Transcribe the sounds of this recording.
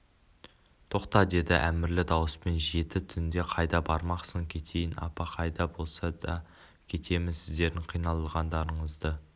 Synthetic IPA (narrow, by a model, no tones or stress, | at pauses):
t̪ʰo̞qt̪ɑd̪e̞d̪ɪʔæmɪɾlɪd̪ɑwəspe̞nʒe̞t̪ɪt̪ʰʏnd̪e̞qʰɑjd̪ɑbɑɾmɑqsəŋkʲʰe̞t̪ʰe̞jɪnɑ̰pɑqʰɑjd̪ɑbo̞lˠsɑd̪ɑ | kʲʰe̞t̪ʰe̞mɪnsɪzd̪e̞ɾd̪ɪɴqʰijnɑlˠəlˠʁɑnd̪ɑɾəɴəzd̪ə